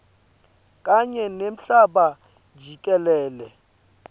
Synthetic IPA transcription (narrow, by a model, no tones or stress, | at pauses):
kʼaɲɛnem̩ɬaɓḁ | d͡ʒʱikʼɛlɛːlɛ